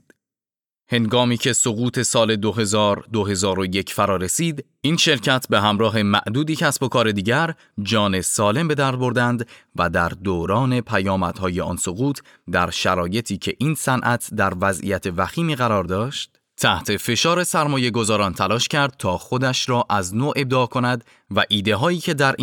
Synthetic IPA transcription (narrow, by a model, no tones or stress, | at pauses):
he̞ŋɡɒːmiːcʰe̞so̞ɣuːt̪ʰe̞sɒːle̞d̪oɦe̞zɒːɾd̪oɦe̞zɒːɾoje̞cʰfæɾɒːɾe̞siːd̪ | iːnʃe̞ɾcʰæt̪ʰbe̞ɦæmɾɒːɦe̞mæʔd̪uːd̪iːcʰæsbo̞kʰɒːɾe̞d̪iːɟæɾ | d͡ʒɒːne̞sɒːle̞mbe̞d̪æɾd̪̚bo̞ɾd̪ænd̪væd̪æɾd̪oːɾɒːne̞pʰæjɒːmæd̪̥hɒːje̞ɒ̰ːnso̞ɣuːt̪ʰ | d̪æɾʃæɾɒːje̞t̪ʰiːcʰe̞ʔiːnsænʔæt̪ʰd̪æɾvæzʔḭjæt̪ʰe̞væxiːmiːɣæɾɒːɾd̪ɒːʃt̪̚ | t̪ʰæht̪ʰe̞fe̞ʃɒːɾe̞sæɾmɒːje̞ɡo̞zɒːɾɒːnt̪ʰælɒːʃcʰæɾd̪̥̚t̪ʰɒːxod̪æʃɾɒːʔæznoːʔe̞b̚d̪eːkʰo̞næd̪ | væʔiːd̪e̞ɦɒːiːcʰe̞d̪æɾ